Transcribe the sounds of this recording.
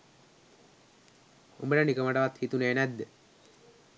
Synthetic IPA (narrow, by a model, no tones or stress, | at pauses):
ṵmbəɖanikəmaʈaʋat̪hit̪uneːnæd̪ːə